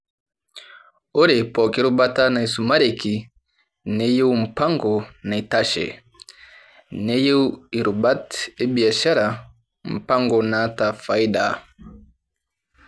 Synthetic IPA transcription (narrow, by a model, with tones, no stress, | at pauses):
o˦ɾe˨pɔ˨ki˦ɾu˦ba˦ta˦na˨i˨su˨ma˦ɾe˨ki˨ | ne˦je˦u˦m̩˨pa˦ŋɡɔ˨na˨i˨ta˦ʃɛ̰˨ | nɛ˦je˦u˦i˨ɾu˨ba˦te˦bi˨a˨ʃa˦ɾa˨ | m̩˨pa˦ŋɡɔ˨na˨˦ta˨fa˨i˦da̰˨